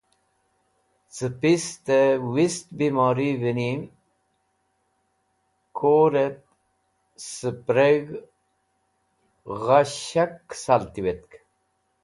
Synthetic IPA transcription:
t͡sɨpist̪ewist̪̚bimɑːɾivinim | kʰoːɾet̪̚ | səpɾeɣ | ʁaɕaksalt̪iwet̪̚k

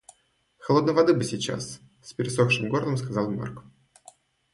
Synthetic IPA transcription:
xɐlˠo̞d̪nəjvɐd̪ɨbɨsʲɪt͡ɕa̰s | sʲpʲɪɾʲɪsoxʂɨmɡo̞rlˠəmskɐzɑlˠma̰rk

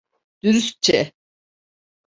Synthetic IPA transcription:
d̪̥yɾys̚t͡ʃʰɛ

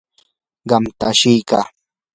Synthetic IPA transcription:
ɢɑmt̪a̰ːʃɪjka̰ː

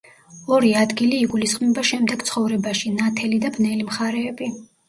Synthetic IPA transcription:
ɔɾiad̪ɡiliːɡulisχʼmɛbaʃɛmd̪ɛɡ̥t̪sʰχɔvɾɛbaʃinat̪ʰɛlid̪abnɛlimχaɾɛːbi

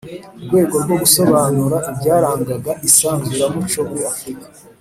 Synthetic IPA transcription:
uɾɡwe̞ːɡo̞ɾɡwo̞ɡuso̞βaːnuɾaʔibɟaːɾaːŋɡaɡaʔisaːnzuɾamut͡ʃomuɾiafɾikḁ

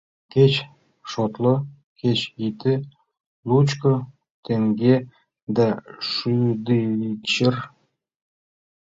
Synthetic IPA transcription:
ket͡ɕ | ʃot̪lɤ̆ | ket͡ɕit̪ĕ | lut͡ɕkɤ | t̪eŋɡe | d̪æʂyd̪eit͡ɕər

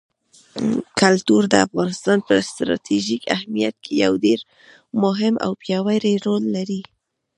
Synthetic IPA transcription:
kalt̪uɾd̪əafɣɑnɪst̪ɑnpəst̪ɾɑ̰t̪ʰiʒikʰahmijat̪̚kʰeja̰wdeɾ | mʊɦɪmʔa̰wpjɑwajɾeɾolːaɾi

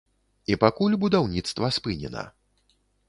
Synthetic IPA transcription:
ipakulʲbud̪awnʲit̪st̪vɐspɨnʲɛ̰nɐ̰

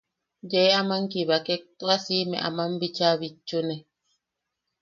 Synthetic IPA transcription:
d͡ʒeamaŋkiβakɛk̚t̪wasimɛ̰̃ʔa̰mambit͡ʃaβit͡ʃːunɛ

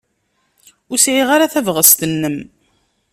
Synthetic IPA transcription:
ʊsʕiʁaɾaθævʁəst̪ənːəm

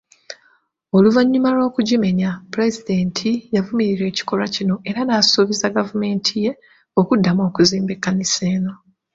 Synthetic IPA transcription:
oluvaɲːumalo̞ːkuɟime̞ɲapuɾe̞zid̪e̞ːntʰijavumiɾiɾwe̞ːci̥ko̞ɾacino̞ʔe̞ɾanaːsoβizaɡavume̞ːntʰije̞ | o̞kudːamokuziːmbe̞kːanise̞ːno̞

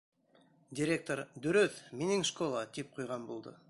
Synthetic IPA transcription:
dʲiɾʲe̞k̚t̪o̞ɾd̪ɵɾɵθminɪŋʃkolˠad̪ep̚qʰujʁɑnbolˠd̪ə̰

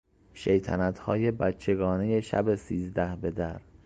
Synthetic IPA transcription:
ʃejt̪ʰænæt̪hɒːje̞bæt̪̚t͡ʃʰːe̞ɡɒːne̞je̞ʃæ̰besiːzd̪æhbe̞d̪æɾ

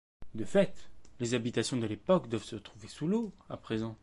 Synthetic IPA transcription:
d̪əfɛt̪lezabit̪asjɔ̃d̪əlepɔkd̪wavsət̪χuvesuloapχezɑ̃

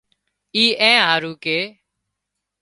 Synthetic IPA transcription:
iːʔɛ̃ːɦaːɾuːkeː

